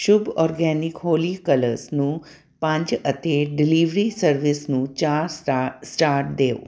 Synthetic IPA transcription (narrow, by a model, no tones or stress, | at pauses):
ʃʊbɔɾɡɛnikɦolikələɾsnũ | pãɲt͡ʃət̪eɖiliʋɾisəɾʋisnũt͡ʃaɾsʈaɾʈ̚d̪eo